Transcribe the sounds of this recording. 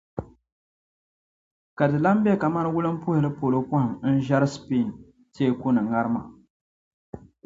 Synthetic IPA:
ka˨dɨ˨la˦mbɛ˦ka˨ma˦nɨ˦wʊ˦lɨ˦m̩˦pʊ˦hɪ˨lɨ˦po˨lo˦pʊ˦hɪ˨mn̩˦ʒa˦ɾɨ˦spi˦˨n˨ | te˦kʊ˦nɨ˨ŋa˦ɾɨ˦ma̰˨

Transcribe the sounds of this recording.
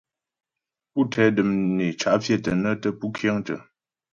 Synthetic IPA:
pu˦tʰɛ˨˦də˨mne˨t͡ʃa˨ʔfje˦˨tə˨nə˦tə˦pu˦kʰjə˦ŋtə̰˨

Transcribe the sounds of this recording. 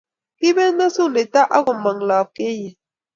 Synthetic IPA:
ki˦bɛ˦na˦su˦˨ne˨ta˦ʔa˦ɣo˨ma˨ŋlaː˨p̚ke˦je˨

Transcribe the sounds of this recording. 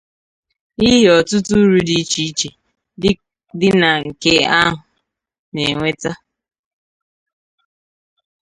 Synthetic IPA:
i˦ɦe˦ɔ˨tʊ˦tu˦ɾu˦di˦t͡ʃi˦t͡ʃe˨ | dɪ˦ | dɪ˦na˨ŋ̩˨ke˦a˦ɦʊ˨ | ne˨ŋʷe˦ta˦

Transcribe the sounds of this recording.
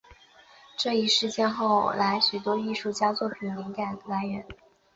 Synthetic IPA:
ʈ͡ʂɤ˥˧i˥˩ʂɻ̩˥˩t͡ɕjɛ˥˧nxo˥˩ʊla˧˥ɪɕy˨˩t̪̬wɔ˥i˥˧ʂu˥˩t͡ɕja˥t͡swɔ˥˩pʰi˨i˩li˧˥ŋka˨˩nd̪əla˧˥ɪɥɛ˧˥n

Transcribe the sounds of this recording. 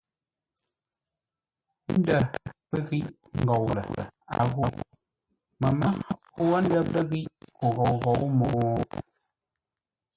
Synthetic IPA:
n̩˦də˦pə˦ɣi˦ʔ | ŋ̩˨ɡɔ˨wlə̰˨a̰˨ɣo˦ | mə˨ma˦ | wə˦n˦də˦pə˦ɣi˦ʔko˨ɣɔ˨wɣɔ˨˦wmo˨ɔ˨˦

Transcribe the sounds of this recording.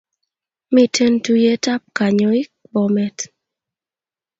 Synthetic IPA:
mi˦tʰe˦ntu˦je˦ta˦p̚ka˨ɲɔ˨ɪ˦kbɔ˨mɛ˦t

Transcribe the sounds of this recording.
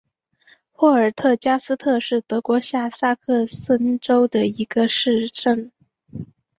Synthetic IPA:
xwɔ˥˩ə˞˨˩t̪ʰɤ˥˩t͡ɕja˥sɹ̩˥t̪ʰɤ˥˧ʂɻ̩˥˩t̪ɤ˧˥kwɔ˧˥ɕja˥˩sa˥˧kʰɤ˥˩sə˥nʈ͡ʂo˥ʊd̪ə˨i˧˥ɡə˧ʂɻ̩˥˧ʈ͡ʂə˥˩ŋ

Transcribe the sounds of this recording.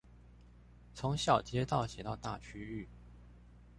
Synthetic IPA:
t͡sʰʊ˧˥ŋɕjɑ˥˩ʊt͡ɕʰjɛ˥t̪ɑ˥˩ʊɕjɛ˨˩t̪ɑ˥˧ʊt̪a̰˥˩t͡ɕʰy˥y˥˩

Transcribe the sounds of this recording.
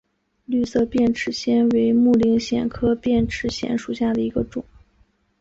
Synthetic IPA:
ly˥˧sɤ˥˧pjɛ˥˩nʈ͡ʂʰɻ̩˧˥ɕjɛ˥nwe˧˥ɪmu˥˩li˧˥ŋɕjɛ̰˨˩nkʰɤ˥pjɛ˥˩nʈ͡ʂʰɻ̩˧˥ɕjɛ̰˧˥nʂu˨˩ɕja˥˩d̪ə˩i˧˥ɡə˧ʈ͡ʂʊ˨˩˦

